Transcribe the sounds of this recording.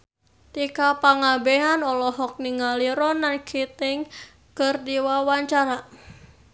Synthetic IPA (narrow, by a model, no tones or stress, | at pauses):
t̪ikapaŋabeɦanɔlɔɦɔk̚niŋaliɾɔnankʰit̪ɪŋ | kərdiwawaɲt͡ʃaɾa